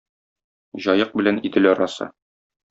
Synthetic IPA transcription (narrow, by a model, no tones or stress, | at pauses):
ʑɒjɤq̚bɘ̆lænid̪ɘlɒɾɑsɤ̰